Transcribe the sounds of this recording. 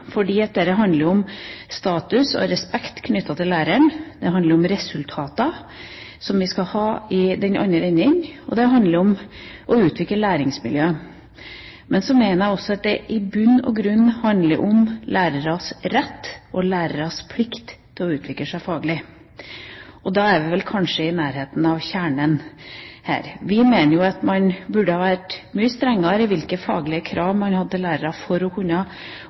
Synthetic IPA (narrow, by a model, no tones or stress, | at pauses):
fɔɖiːɛt̪̚d̪ɛɾɛɦɑnd̪əɾɔmst̪ɑːt̪ʉsɔ̰ɾɛspɛkt̪kʰnʏt̪ːɑt̪ʰɪlæːɾəɳd̪ɛɦɑnd̪əɾɔmɾɛsʉlt̪ʰɑːt̪ɑ | sɔmʋɪskɑhɑːɪd̪ɛnʔɑ̰nːəɾɛnːɪŋɔ̰d̪ɛɦɑnd̪ləɾɔmʔɔʉːt̪ʰʋɪkləlæːɾɪŋsmɪ̰ljøːə | mɛnsɔmeːnəɾæɔsːɔɑt̪̚d̪ɛʔɪbʉnːɔ̰ɡɾʉnːhɑnd̪lə̰ɾʔɔmlæːɾəɾɑsɾɛt̪ːɔlæːɾəɾɑspʰlɪkt̪t̪ʰːɪlɔʉːt̪ʰʋɪkləʂæɪfɑːɡəlɪ | ɔd̪ɑːæɾʋɪʋɛlkʰɑnʂəɪnæːɾɦeːt̪n̩ɑʋçæːɳənhæ̰ːɾʋɪmeːnəɾjʊɑt̪mɑnbʉɖəhɑːʋæʈmyːəst̪ɾɛŋːɑɾɪʋɪlkəfɑ̰ːɡlɪəkʰɾɑːʋmɑnhɑd̪ːəlæːɾəɾɑfɔɾɔkʰʉnːɑ